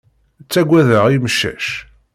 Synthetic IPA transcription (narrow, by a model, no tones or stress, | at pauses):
t͡sːæɡʷæðəʁiməʃːæ̰ʃ